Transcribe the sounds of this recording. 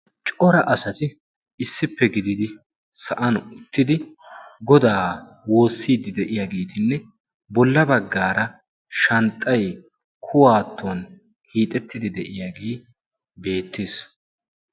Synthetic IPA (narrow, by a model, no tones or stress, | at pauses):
t͡ʃʼɔɾɐʔɐsɐt̪ɪ | ɪsːɪpːɛɡɪd̪ɪd̪ɪ | sɐʔɐnʊt̪ːɪd̪ɪɡɔd̪aː | wo̞ːsːiːd̪ɪd̪ɛʔɪjaːɡe̞ːt̪ɪnːɛ | bɔlːɐbɐɡːaːɾɐ | ʃɐnt̪ʼːɐj | kʰʊwaːt̪ʰːoːn | hiːt̪ʼɛt̪ːɪd̪ɪd̪ɛʔɪjaɡeː | be̞ːt̪ːeːs